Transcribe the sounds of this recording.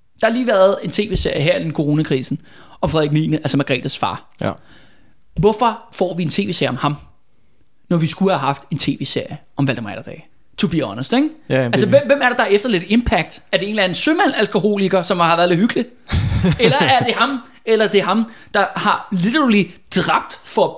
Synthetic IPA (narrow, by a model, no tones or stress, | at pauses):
d̥ɑ̈hɑ̈liːʋæːɐð̩ˠe̝nt͡sʰe̝̰ːʋe̝̰ːse̝ɐ̰jəɦæɐelenkʰo̝ʁo̝ːnækʰʁḭːsn̩ | ɒ̽fʁɛðˠiɡ̥̚mḭnəʔælsɐmɑ̈ɡ̥ʁɛ̰ːd̥æsfɑ̈ː | ʋɔfɒfɒ̰ːʋie̝nt͡sʰe̝̰ːʋe̝ːseɐ̰jɒ̽mhɑ̈m | nɒʋisɡ̥uhæɦɑ̈fd̥e̝nt͡sʰe̝̰ːʋḛːse̝ɐ̰jə | ɒ̽mʋæld̥mɑɪd̥ɐd̥ɛ̰ɪ | t͡sʰob̥ḭːæɒnɐsd̥eɡ̥ælsəʋemʋem̰æɐɾed̥ɑ̈efd̥ɐle̝d̥e̝mpʰæɡ̥̚d̥æɐd̥e̝e̝ːnlilænð̩sømæn̰ælkʰo̝ho̝̰ːliɡ̥ɐsɒ̽mhɑ̈ʋæːɐðˠle̥hyɡ̥li̥ | elɐæɐd̥e̝ɦɑ̈m | elɐd̥e̝ɦɑ̈md̥ɑ̈hɑ̈lid̥ɐlid̥ʁɑ̈b̥̚d̥fɒ̽